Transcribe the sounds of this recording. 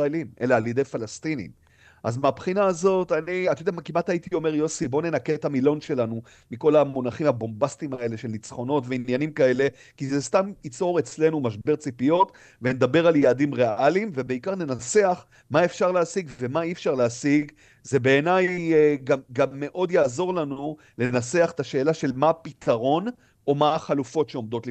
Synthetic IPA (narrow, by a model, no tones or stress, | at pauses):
saelime̞̰laːljed̪e̞jfalastinḭm | ʔazmeapχinaːzo̞taniat̪odeamakimatait̪io̞me̞ʁjo̞sibo̞ne̞nakeethamilo̞nʃe̞lanu | miko̞lamonaχimhabo̞mbastimae̞le̞ʃelnit͡sχo̞no̞tveinjanimkae̞le̞ | kizestamit͡so̞ʁet͡sle̞numaʃ̬be̞ʁt͡sipijo̞t | vened̪abe̞ʁaljaadimʁeʔalimvebe̞ikaʁne̞naseaχ | mae̞fʃaʁleasiɡve̞maifʃaʁleasiɡ | zebe̞ːnajɡamɡamːe̞ʔo̞djaːzo̞ʁlanu | le̞nat͡se̞aχe̥t̪aʃe̞ːlaʃe̞lmapitʰaʁo̞n | o̞maaχalufo̞tʃeo̞md̪o̞tli